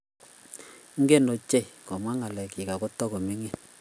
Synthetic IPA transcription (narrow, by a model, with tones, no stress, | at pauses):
ŋ̩˦ɡe˦no˨t͡ʃe˦jkɔ˨mwa˦ŋa˨lɛ˨ki˨ka˨kɔ˦tːɔ˦ko˨mi˦ŋi˦˨n